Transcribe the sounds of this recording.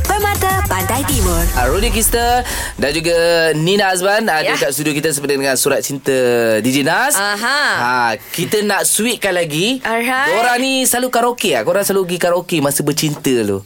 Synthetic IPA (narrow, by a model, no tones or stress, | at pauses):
pəmat̪əpandajdimɔnaɾunikɾist̪ə | dand͡ʒuɡəninas̬banadəkat̪ʔst̪udiok̬it̪əsəpədədəŋãnsuɾat̪̚t͡ʃint̪ədid͡ʒənasaɦaakit̪ənaʔsuwiʔ̚kanlaɡiaakoɾaŋnisalukaɾokeakoɾaŋsaluɡikaɾokemasəbət͡ʃint̪əlṵ